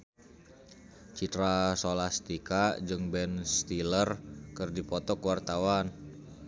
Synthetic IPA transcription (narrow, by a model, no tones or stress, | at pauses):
t͡ʃit̪ɾasolast̪ikad͡ʒɨŋbɛnst̪ilərkɨrdipɔt̪ɔkwart̪awan